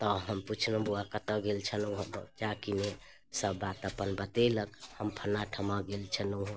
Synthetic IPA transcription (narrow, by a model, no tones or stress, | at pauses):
t̪ɔɦəmput͡ʃʰlobuakət̪ə̃ɡelt͡ʃʰənuɦt͡ʃakine | səbːat̪əpənbət̪eləkhəmpʰənaʈʰəmaɡelt͡ʃʰənuɦ